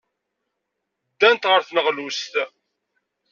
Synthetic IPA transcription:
d̪ːænt̪ʁəɾθnəʁlust̪

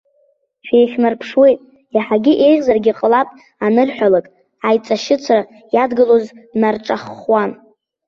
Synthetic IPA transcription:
ʃᶣejχʲnarpʰʂwe̞jtʼ | aħaɡʲɪʔe̞jʁʲzarɡʲiqʼəlapʼ | anɨrħʷᶣalakʼ | ajt͡sʼaʃɪt͡sʷʰra | jadɡɨloznarʈ͡ʂʼaχwan

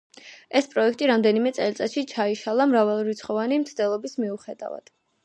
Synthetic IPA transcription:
ɛspʼɾɔɛkʰt̪ʼiɾamd̪ɛnimɛt̪sʼɛlt̪sʼat̪ʃit͡ʃʰaiʃalˠamɾavalˠuɾit̪sʰχɔvanimt̪sʰd̪ɛlˠɔbismiuχɛd̪a̰va̰d̪̥

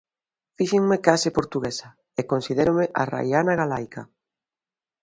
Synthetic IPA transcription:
fiʃeŋmekasɪpoɾt̪uɣesa | ekonsiðeɾomeʔara̰janaɣalajka

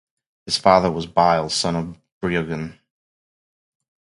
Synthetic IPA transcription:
hɨz̥fɑðə˞wʌzbaɪl̩ˠsʌ̃nʌvb̥ɹiɨɡɨ̃n

